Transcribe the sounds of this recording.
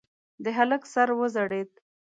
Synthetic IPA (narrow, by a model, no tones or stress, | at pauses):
d̪əɦaləksaɾwəzaɽet̪̚